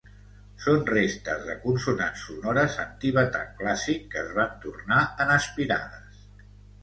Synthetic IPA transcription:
sonrest̪əzðəkunsunansunɔɾəzənt̪iβət̪a̰ŋklasikːəzβant̪urnaənəspiɾa̰ðəs

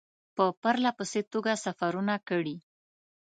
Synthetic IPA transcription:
pəpaɾlapəset̪oɡasafaɾunakəɽi

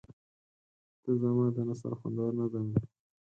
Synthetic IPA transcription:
t̪əzamɑd̪ənasa̰ɾxa̰nd̪ɑɾnad̪ami

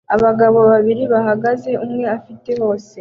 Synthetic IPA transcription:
aβaɡaβo̞βaβiɾiβaɦaɡaze̞ʔumŋe̞afite̞ho̞ːse

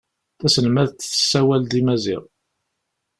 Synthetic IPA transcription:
θæsənmæðt͡sːθə̥sːæwæld̪imæzḭʁˤ

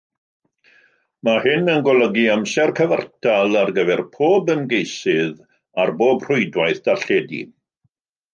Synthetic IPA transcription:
mahɪnənɡɔlˠəɡiamsɛrkʰəvə̰rtʰalˠarɡəvɛrpʰoːbənɡejsɨð | arboːbr̥ʊɨdwajθd̥aɬɛːdḭ

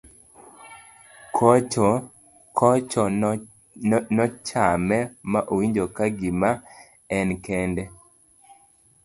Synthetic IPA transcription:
k | kʰɔt͡ʃɔ | nɔt͡ʃamɛmaʔowiɲd͡ʒokaɡima | ɛnkɛndɛ

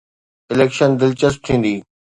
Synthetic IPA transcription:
ɪleːkʃənd̪ɪlt͡ɕəsʈ̚t̪ʰĩːn̆d̪iː

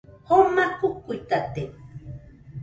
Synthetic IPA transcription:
homakʊkːujt̪at̪e

